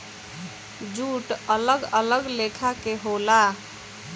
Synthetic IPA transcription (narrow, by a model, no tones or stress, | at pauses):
d͡ʒuʈələɡələɡlekʰakeɦola